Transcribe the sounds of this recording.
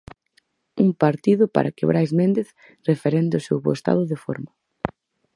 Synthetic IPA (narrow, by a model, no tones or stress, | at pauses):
uŋpaɾt̪iðʊpa̰ɾʔakeβɾajzmẽnd̪eθ | refeɾend̪ʊsewβo̰est̪a̰ðʊðefo̰ɾma